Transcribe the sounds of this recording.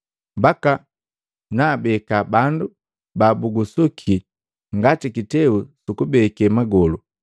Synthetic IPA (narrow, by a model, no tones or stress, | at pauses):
mbaka | naːbɛkabandu | baːbuɡusukʰi | ŋɡatikitɛusukubɛkɛmaɡɔlu